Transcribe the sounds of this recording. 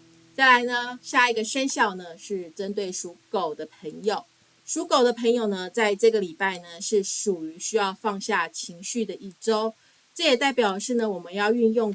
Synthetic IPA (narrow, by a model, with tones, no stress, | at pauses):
t͡sa˥˩ɪla˧˦ɪnə˧ɕja˥˩i˨˧ɡə˨ʂə˥nɕjɑ˥˩ʊnə˩ʂɻ̩˥˩ʈ͡ʂə˦nt̪̬we˥˩ɪʂu˧˥ko˨˩ʊd̪ə˦pʰə˧˥ŋjo˨˩˦ʊ | ʂu˨˥ko˨˩ʊd̪ə˦pʰə˧˥ŋjo˨˩ʊnə˦t͡sa˥˧ɪʈ͡ʂɤ˥˩ɡə˩li˨˩pa˥˩ɪnə˩ʂɻ̩˥˩ʂu˨˩y˧˥ɕy˥jɑ˥˧ʊfɑ˥˧ŋɕja˥˩t͡ɕʰi˧˥ŋɕy˥˩d̪ə˨ʔi˥˩ʈ͡ʂo˥ʊ | ʈ͡ʂɤ˥˩jɛ˨˩t̪a˥˩ɪpjɑ˨˩ʊʂɻ̩˥˩nə˩wɔ˨˩mə˦njɑ˥˧ʊy˥˧njʊ˥˨ŋ